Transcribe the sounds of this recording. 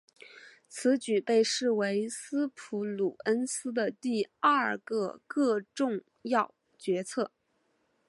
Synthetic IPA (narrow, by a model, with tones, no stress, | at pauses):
t͡sʰɹ̩˧˥t͡ɕy˨˩pe˥˧ɪʂɻ̩˥˩we˧˥ɪsɹ̩˥pʰu˧˥lu˨˩ə˥nsɹ̩˥d̪ə˨t̪i˥˧a˥˩˥ə̰˞˩kɤ˧kɤ˥˧ʈ͡ʂʊ˥˧ŋ | jɑ˥˩ʊ | t͡ɕɥɛ˧˥t͡sʰɤ˥˩